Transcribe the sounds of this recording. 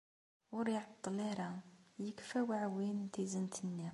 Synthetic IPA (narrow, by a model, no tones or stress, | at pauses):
wəɾiʕt̪ˤːleɾajəkfæwaʕwint̪izənt̪ʰənːi